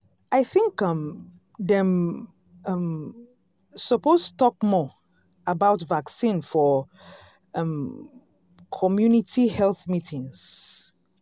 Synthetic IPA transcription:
aɪθɪ̃ŋkʌ̃m | dɛ̃m | ʌ̃m | sɔpʰostu̥tɔk̚mɔ | abaʊtvaksĩnfɔ | m | kʰɔmjunitʰihɛlˠθmitʰĩŋs

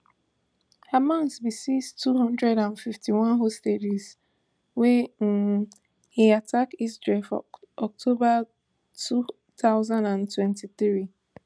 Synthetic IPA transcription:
hamãnsbisistuɦɔ̃ndɹɛɾãnfiftiwɔ̃nɦostedis | we | hiatʰakisdɹɛfɔk̚tʰoba | tu | taʊzãndãntʰwɛ̃ntiθɹi

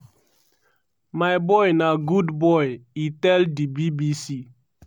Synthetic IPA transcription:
majbɔjnaɡudbɔjitɛldibibisi

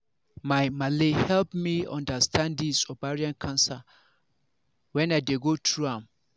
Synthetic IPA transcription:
maɪmalehɛlpmĩɔ̰̃ndastʰãnddisɔbaɹiãnkʰãnsa | wɛ̃nadeɡotʰɹuãm

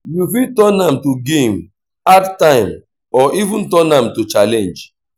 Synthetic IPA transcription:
jufitɔ̃nãmtuɡẽm | adtãɪ̃m | ɔʔivũntɔ̃nãmtut͡ʃalɛ̃nd͡ʒ

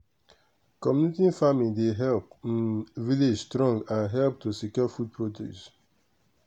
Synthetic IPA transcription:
kɔmjunitĩnfamĩndeɦɛlp | viled͡ʒstɾɔ̃ŋɡãnɦɛlp̚tusikjɔfud̚pɹodṵs

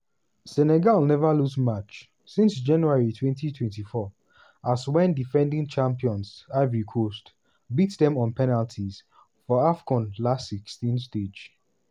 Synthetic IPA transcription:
sɛnɛɡalnɛvalusmat͡ʃ | sĩnsd͡ʒãnjuaɹitʰwɛ̃ntitʰwɛ̃ntifɔ | aswɛ̃ndifɛ̃ndĩnt͡ʃãmpiɔ̃nsaɪvɹikʰost | bitdɛ̃mɔ̃npʰɛnaltʰiz | fɔafkɔ̃nlasikstĩnsted͡ʒ

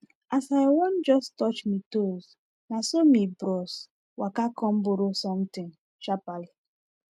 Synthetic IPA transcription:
asaɪwond͡ʒɔstɔt͡ʃmitoz | nasomibɾɔs | wakakɔ̃m̩boɾosɔ̃m̩tɪ̃ŋ | ʃapali

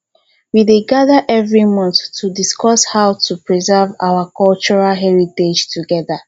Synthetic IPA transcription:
wideɡaðaʔɛvɹimɔ̃nθtːudiskɔshawtupɹizɛva̰wakɔlt͡ʃɔɹalɦɛɹited͡ʒtʰuɡɛða

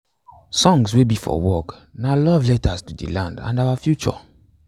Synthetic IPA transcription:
sɔ̃ŋswebifɔ̰wɔknalɔvlɛtastudḭlãndã̰ndawafjut͡ʃɔ̰

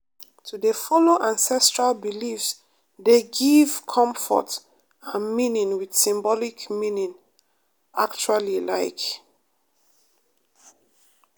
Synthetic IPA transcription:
tʰudəfɔloʔãnsɛstɹalbilifs | deɡiv̥kʰɔ̃ɱfɔ̰t | ãnmĩnĩŋwid̥sĩmbɔlikmĩnĩŋ | ak̚t͡ʃualilaɪk

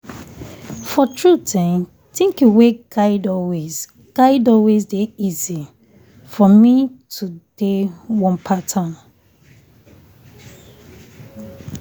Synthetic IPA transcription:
fɔtʰɹutɛ̃n | tĩŋkjuweɡ̥aɪdɔlwez̥ | ɡ̥aɪdɔlwezdeizi | fɔmitʰud̥ewɔ̃npʰatʰãn

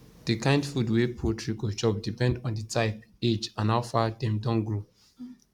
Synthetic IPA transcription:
d̥ikãɪ̃ndfudwepʰotʰɹikoʃɔp̚dipɛ̃ndɔ̃nditʰaɪped͡ʒãnhaʊfadɛ̃mdɔ̃nɡɹo

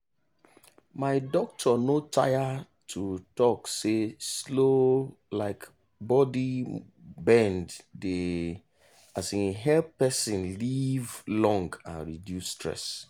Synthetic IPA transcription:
maɪdɔk̚tʰɔnotʰa̰ɪja | tʰutɔkseslolaɪk | bɔdi | bɛ̃ndde | asiɦɛlppɛsĩnlivlɔ̃ŋɡãnɹidjusːtʰɹɛ̰s

